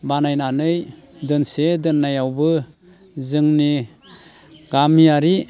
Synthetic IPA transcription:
banajnanɯjdɯnsedɯnːajawbɯ | zɯŋni | ɡ̥amiaɾi

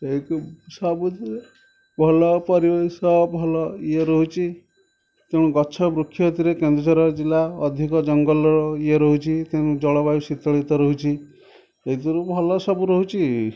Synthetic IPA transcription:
eik̪usɔbut̪ɾe | bʱɔlɔpɔɾibeisɔbʱɔlɔieɾɔɦut͡ʃʰi | t̪ẽuɡɔt͡ʃʰɔbɾukʰːjɔt̪iɾekend̪ɾɔt͡ʃaɾɔd͡ʒilaɔd̪ʱikɔd͡ʒɔŋɡɔlɔɾɔieɾɔɦut͡ʃʰit̪eɾud͡ʒɔɭɔbajusit̪ɔɭit̪ɔɾɔɦut͡ʃʰi | eɦit̪ɔɾubʱɔlɔsɔbuɾɔɦut͡ʃʰi

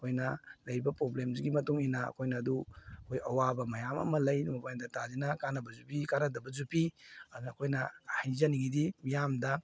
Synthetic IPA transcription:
ɐkʰojnɐlɐjɾibɐpɾoblemziɡimɐtuŋinɐɐ̰kʰojnɐːduɐkʰojɐwabɐmɐjamɐ̰mɐlɐjdumɐpajndɐtʰazinɐkanɐbɐzupikanɐdɐbɐzupiːkʰojnɐhajzɐniɡidimijamdɐ

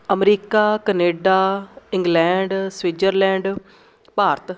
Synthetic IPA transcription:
əmɾiːkaːkəneːɖaːɪ̃ŋɡlɛ̃ːɳɖswiːd͡ʒəɾlɛ̃ːɳɖ | paːɾt̪

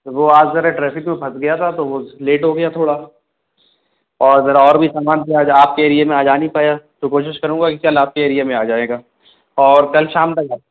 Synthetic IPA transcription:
ʋoaːd͡ʒzɐɾeʈɾɛːpʰɪkmẽpʰɐsɡɐjat̪ʰat̪oʋoleːʈɦoɡɐjat̪ʰoːɽa | ɔːɾɐɡəɾɔːɾbʱisaːmaːnb̪iaːd͡ʒaaːp̚keɐɾijemẽaːd͡ʒaːnipaːjat̪okoːʃɪʃkɐɾũːɡakikɐlaːp̚keɐɾiemẽaːd͡ʒaːeːɡaː | ɔːɾkɐlʃaːmlɐɡaː

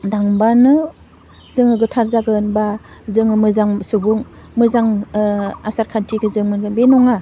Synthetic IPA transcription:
daŋbanɯ | zɯŋɯɡɯtʰaɾzaɡɯnbazɯŋɯmɯzaŋsɯbuŋ | mɯzaŋ | asaɾkʰantʰiɡɯzɯŋmɯnɡɯnbenɔŋa

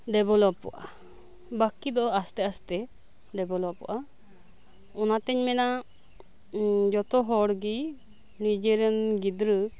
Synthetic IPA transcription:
ɖɛbɔlɔpːɔ̰ʔa̰ | bakid̪ɔʔast̪ɛast̪ɛ | ɖɛbɔlɔpːɔ̰ʔa | ɔnat̪ɛɲmɛna | d͡ʒɔt̪ɔɦɔɽɡi | nid͡ʒiɾənɡid̪ɾə

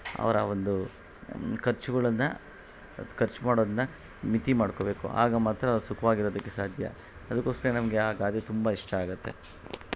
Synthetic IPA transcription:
ɐ̰ʋɐɾɐ̰ʋo̞nd̪u | kʰɐɾt͡ʃuɡɐɭɐnːɐ | kʰɐɾt͡ʃmaːɽoːd̪ɐnːɐ | mit̪imaːɽko̞ːbe̞ːkṵa̰ːɡɐmaːt̪ːɾɐʋɾusukʰɐʋaːɡiɾo̞ːd̪ɐkːe̞saːd̪ʱjɐ̰ | ɐd̪ɐkːoːskɐɾenɐmɐɡe̞aːɡaːd̪it̪umbɐiʂʈʰɐaːɡut̪ːe̞̰

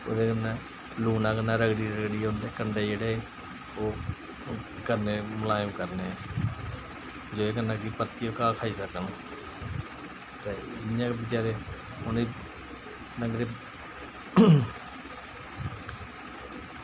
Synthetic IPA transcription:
o̰ːd̪eːkənːãː | luːnãːkənaːɾəɡɽiːɾəɡɽiːʊnd̪eːkəɳɖeːd͡ʒeːɽeːe | oː | kəɾneːməlaːjõːkəɾneː | d͡ʒoːeːkənaːɡiːpəɾt̪ːiːoːkãːkʰaːiːsəkən | t̪eːɪãːbɪt͡ʃaːɾeː | hʊniː | nəŋɡɾeː

